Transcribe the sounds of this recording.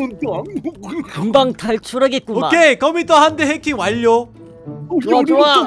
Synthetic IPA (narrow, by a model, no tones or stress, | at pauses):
kɯŋbaŋtaɭt͡ɕʰuɾaɡet̚k͈uoakʰekʰʌmitʰʌɦandeɦekʰiŋwaʎːo